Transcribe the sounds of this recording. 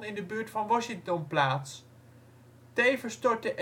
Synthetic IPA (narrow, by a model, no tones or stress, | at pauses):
nɪndəbyːɹtfɑnʋɔʃɪŋtɔnplaːts | tejvəstɔɹt̚dəʔ